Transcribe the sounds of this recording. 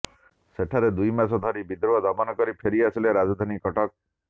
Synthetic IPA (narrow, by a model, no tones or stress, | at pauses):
seʈʰaɾed̪ujmasɔd̪ʱɔɾibid̪ɾɔbad̪ɔbanɔkɔɾipʰeɾiasileɾad͡ʒɔd̪ʱanikɔʈɔk̚